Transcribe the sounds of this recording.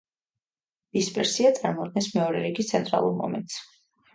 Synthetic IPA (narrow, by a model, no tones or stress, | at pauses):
d̪̥ispʼɛɾsiat̪sʼaɾmɔɔd̪̚ɡnɛnsmɛɔɾɛɾiɡist̪sʰɛnt̪ʼɾa̰lˠuɾmɔ̰mɛ̰nt̪ʼs